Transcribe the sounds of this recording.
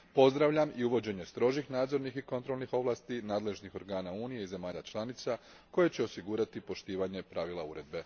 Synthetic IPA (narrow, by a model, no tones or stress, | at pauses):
po̞zd̪ɾaʋʎamiuʋo̞d͡ʑe̞ɲe̞st̪ɾo̞ʒixnaːd̪zo̞ɾnixiko̞nt̪ɾo̞lˠnixo̞ʋlˠaːst̪inaːd̪le̞ʒnixo̞ɾɡaːnauːnije̞ize̞maːʎat͡ʃlˠanit̪sa | ko̞je̞t͡ɕe̞o̞siɡuɾat̪ipo̞ʃt̪iːʋaɲe̞pɾaʋilˠauɾe̞d̪̚be̞